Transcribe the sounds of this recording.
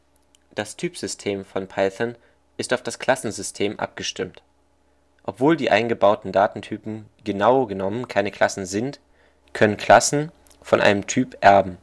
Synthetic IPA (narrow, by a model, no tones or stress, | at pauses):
d̥astʰyːpz̥ʏstʰeːmfɔnpʰalθɐn | ʔɪstaʊfd̥askʰl̥asn̩zʏstʰeːmʔa̰p̚ɡ̥əʃtɪmt | ʔɔpv̥oːldiːʔaɪnɡəbaʊtn̩daːtn̩tʰyːpm̩ɡənaʊɡənɔmənkʰaɪnəkʰl̥asn̩zɪnt | kʰœnənkʰl̥asn̩ | fɔnʔa̰ɪnəmtʰyːpʔɛɐbm̩